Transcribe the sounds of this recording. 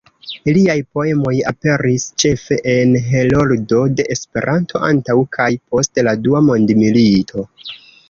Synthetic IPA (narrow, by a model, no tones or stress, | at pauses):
iliajpo̞e̞mo̞jape̞ɾist͡ʃe̞fe̞ʔenɦe̞lo̞ldo̞de̞ʔespe̞̰ɾʔantʰo̞ʔantawkʰajpo̞stladuamo̞ndmilitʰo̞